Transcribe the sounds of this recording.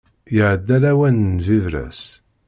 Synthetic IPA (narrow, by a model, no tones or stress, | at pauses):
jəʕəd̪ːælæwænnvivɾæ̰s